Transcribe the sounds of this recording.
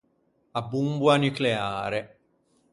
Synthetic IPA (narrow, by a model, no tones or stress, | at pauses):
abːumbwanykleaːɾe